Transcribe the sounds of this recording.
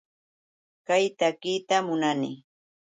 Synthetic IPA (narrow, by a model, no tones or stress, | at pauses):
kajt̪akit̪amʊnanɪ